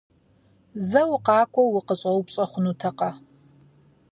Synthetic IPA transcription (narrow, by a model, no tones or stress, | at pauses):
zɐwqɑːkʷʼɔwɪqəɕʼɐwpɕʼɐχʷʊnutʰɐqɐ